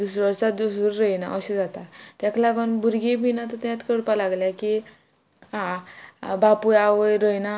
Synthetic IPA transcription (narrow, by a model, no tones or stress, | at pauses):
d̪usɾʋəɾsad̪usuɾɾəjna̰ʔəɕed͡zat̪at̪jaklaɡənbuɾɡibinat̪ət̪at̪kəɽpalaɡljaki | hã | bapuaʋəjɾəjna